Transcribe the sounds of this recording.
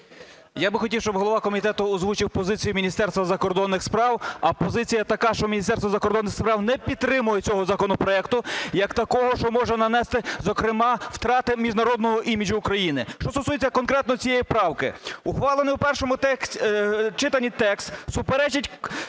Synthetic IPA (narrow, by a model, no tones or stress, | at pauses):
jabɪxɔtʲiwʃt͡ʃɔbɦɔlˠɔʋɑkɔmʲit̪ɛt̪ʊɔzʋut͡ʃɪwpɔzɪt͡sʲijumʲinʲist̪ɛrst̪ʋɐzɐkɔrd̪ɔnːɪxspɾɑwɐpɔzɪt͡sʲijɐt̪ɐkɑʃt͡ʃɔmʲinʲist̪ɛrsʋɐzɐkɔrd̪ɔnːɪxspɾɑwnɛpʲit̪ɾɪmʊjet͡sʲɔɦɔzɐkɔnɔpɾɔɛkt̪ʊjɐkt̪ɐkɔɦɔʃt͡ʃɔmɔʒɛnɐnɛst̪ɪzɔkɾɪmɑwt̪ɾɑt̪ɪmʲiʒnɐɾɔd̪̚nɔɦɔʔimʲid͡ʒʊːkɾɐjinɪʃt͡ʃɔst̪ɔsujet͡sʲːɐkɔnkɾɛt̪nɔt͡sʲijejipɾɑwkɪʊxʋɑlˠeniwpɛrʃɔmʊt̪ɛ | t͡ʃɪt̪ɐnʲːit̪ɛkst̪sʊpeɾɛt͡ʃɐtʲ